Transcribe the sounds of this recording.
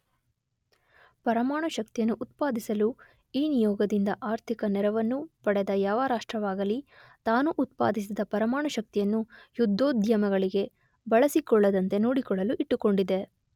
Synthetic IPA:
pɐɾɐmaːɳɐʃɐk̚t̪ijɐnːuʔut̪̚paːd̪isɐlu | iːnijɔːɡɐd̪ind̪ɐʔaːɾt̪ʰikɐnɛɾɐʋɐnːupɐɽɛd̪ɐjaːʋaːɾaːʂʈɾɐʋaːɡɐlit̪aːnuʔːt̪̚pa̰ːd̪is̬id̪ɐpɐɾɐmaːɳɐʃɐk̚t̪ijɐnːujud̪ʱːoːd̪ʱjɐmɐɡɐɭiɡe̞ | bɐɭɐsikɔɭːɐd̪ɐnt̪e̞noːɽikɔɭɐluʔiʈːuko̞ɳɖid̪e̞

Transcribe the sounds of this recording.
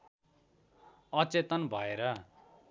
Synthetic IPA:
ʌt͡set̪ʌnbʱʌeɾʌ

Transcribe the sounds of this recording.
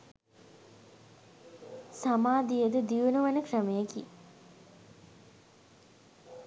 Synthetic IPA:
samaːd̪ijəd̪əd̪iʋunuʋanəkrəmejəki

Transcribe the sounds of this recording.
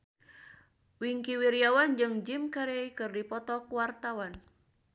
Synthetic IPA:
wiŋkiwiɾiawand͡ʒɨŋd͡ʒimkaɾeikɨrdipɔt̪ɔkuwart̪awan

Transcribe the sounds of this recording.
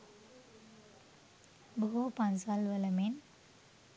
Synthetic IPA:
bəɦupansalʋələmen

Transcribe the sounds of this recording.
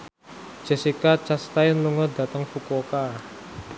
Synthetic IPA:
d͡ʒ̥ɛsikat͡ʃast̪aɪnluŋɔdat̪əŋfukoka

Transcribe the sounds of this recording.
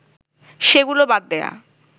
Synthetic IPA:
ʃeɡulobad̪̚ːɛa̰

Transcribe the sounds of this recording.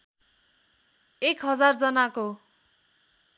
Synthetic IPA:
ekɦʌd͡zard͡zʌnako

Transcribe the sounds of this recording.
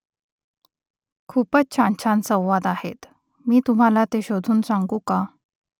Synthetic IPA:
kʰuːpət͡st͡ɕʰaɳt͡ɕʰansə̃w̃ʋad̪ahet̪ | miːt̪um̤alat̪eɕod̪ʱuːnsaŋɡũka

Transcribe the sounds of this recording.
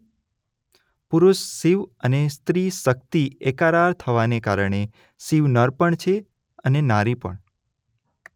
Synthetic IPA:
puɾuʃːiʋənest̪ɾiʃək̚t̪iekaɾaɾt̪ʰəʋaneka̰ɾəɳ̃e | siʋnəɾpəɳt͡ʃʰe | ənenaɾipə̰ɳ

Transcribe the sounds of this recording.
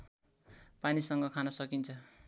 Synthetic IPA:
panisʌŋɡʌkʰanʌsʌkint͡sʰʌ

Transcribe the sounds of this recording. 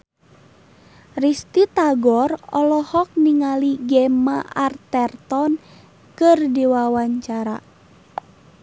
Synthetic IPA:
rist̪it̪aɡɔrɔlɔhɔk̚niŋaliɡɛmaʔart̪ɛrt̪ɔn | kɨrdiwawaɲt͡ʃaɾa̰

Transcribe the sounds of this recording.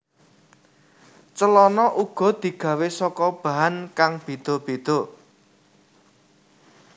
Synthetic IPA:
t͡ʃəlɔnɔʔuɡ̥ɔ̤d̪̥i̤ɡ̥ä̤wesɔkɔb̥a̤ɦankaŋb̥ed̪̥o̤b̥e̤d̪̥o̤

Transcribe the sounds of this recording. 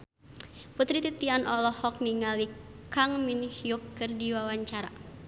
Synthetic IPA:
put̪ɾit̪it̪ianʔɔlɔhɔk̚niŋalikaŋminhijukːɨrdiwawaɲt͡ʃaɾa̰

